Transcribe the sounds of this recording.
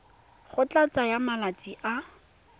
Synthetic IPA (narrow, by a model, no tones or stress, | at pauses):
χʊt͡ɬat͡sajamalat͡sʼiʔa